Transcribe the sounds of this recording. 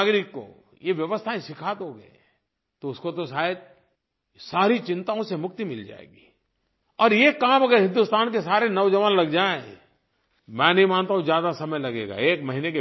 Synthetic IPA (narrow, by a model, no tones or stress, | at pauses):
aɡɾɪkːo̰ | jeʋjɐʋəst̪ʰaẽsɪkʰat̪ɦoɡɐ | t̪oʊskot̪oʃaːəd̪̚ | saːɾit͡ʃɪ̃nt̪aõsemʊk̚t̪imɪld͡ʒa̰ːḛːɡiː | ɔːɾjekaːmɐɡəɾɦɪ̃nd̪ʊst̪aːnkesaːɾenɐʋd͡ʒɐʋaːnlɐɡd͡ʒaːẽ | mɛ̃ːnɐɦĩmaːnt̪aːɦũzjaːd̪asɐməjlɐɡeːɡa̰eːkmɐɦineke